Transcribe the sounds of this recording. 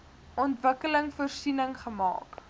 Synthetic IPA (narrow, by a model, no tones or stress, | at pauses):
ɔntvəkələŋfɔrsinəŋχəmɑ̰ːk